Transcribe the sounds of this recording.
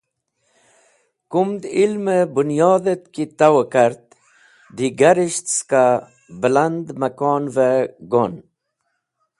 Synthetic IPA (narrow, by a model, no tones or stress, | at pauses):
kumd̪ilmebunjɔːd̪et̪̚kit̪awokaɾt̪̚ | d̪iɡaɾiɕt̪ska | bland̪makɔnveɡon